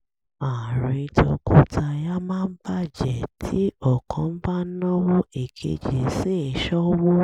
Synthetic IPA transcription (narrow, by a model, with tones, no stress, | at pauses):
a˨ɾĩ˧tɔ̰˧kʰo˧tʰa˧ja˦mãː˦n̩˦ba˦d͡ʒɛ˨tʰi˨˦ɔ˦˨kʰɔ̃˨˦n̩˦ba˦nɔ̃˦wo˦e˦˨kʰḛ˧d͡ʒe˨se˦e˨ʃɔ˦wo˦